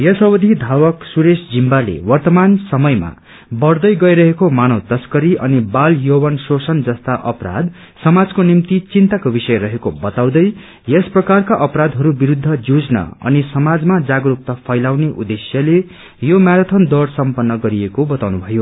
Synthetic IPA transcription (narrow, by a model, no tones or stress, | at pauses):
jʌsʌwʌd̪ʱid̪ʱawʌksuɾesd͡zimbalḛwʌrt̪ʌmansʌmʌjma̰ | bʌrd̪ʌjɡʌjɾʌɦekomanʌwt̪ʌskʌɾiʔʌnibaljowʌnsosʌnd͡zʌst̪aʔʌpɾa̰d̪ | sʌmad͡zkonimt̪it͡sint̪akobisʌjɾʌɦekobʌt̪aw̃d̪ʌj | jesprʌkarkaʔʌpɾad̪ɦʌɾubiɾud̪ʱːʌd͡zud͡znʌ̰ʌ̰nisʌmad͡zmad͡zaɡɾuk̚t̪ʌpʰʌjlawneʔud̪esjʌle | jomaɾʌt̪ʰʌnd̪ʌrsʌmpʌnːʌɡʌɾiekobʌt̪awnubʱʌjo